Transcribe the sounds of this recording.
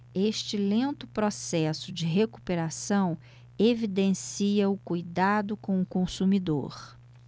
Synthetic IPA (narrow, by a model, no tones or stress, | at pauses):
eʃt͡ʃɪlẽnt̪ʊpɾɔsɛsʊd͡ʒɪɦeku̥peɾasɐ̃w̃ | evid̪ẽsiɐʊkujd̪ad̪ʊkõw̃ʊkõsumid̪o̰ɾ